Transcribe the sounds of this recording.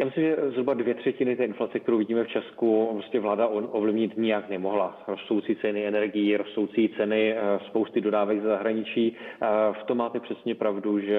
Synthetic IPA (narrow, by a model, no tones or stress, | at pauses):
jaːmɪslɪmʒɛzɦɾubadvjɛt̪r̝̥ɛcɪnɪt̪ɛːɪnflat͡sɛk̚t̪ɛɾowvɪɟiːmɛft͡ʃɛskupɾoscɛvlaːdaʔovlɪvɲɪt̪ɲɪjaknɛmo̞ɦlaɾost̪owt͡siːt͡sɛnɪɛnɛɾɡɪjiɾost̪owt͡siːt͡sɛnɪspo̞wst̪ɪdo̞daːvɛɡzɛzaɦɾaɲɪt͡ʃiːft̪omːaːt̪ɛpr̥ɛsɲɛpɾavduʒɛ